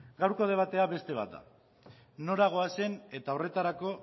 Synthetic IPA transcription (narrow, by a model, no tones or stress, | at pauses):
ɡawɾko̞ð̞e̞β̞at̪e̞aβe̞st̪e̞β̞a̰t̪̚d̪a̰ | no̞ɾaɣ̞o̞ase̞ne̞t̪ao̞re̞t̪aɾako̞